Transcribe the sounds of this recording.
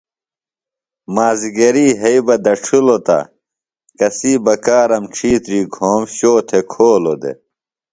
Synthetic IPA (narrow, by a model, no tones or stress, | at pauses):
maːziɡɐɾiːɦɐibɐd̪ɐʈ͡ʂʰulot̪a̰ | kɐsiːbɐkaːɾɐmʈ͡ʂʰiːt̪ɾiːɡʱoːmɕoːt̪ʰekʰoːlod̪ḛ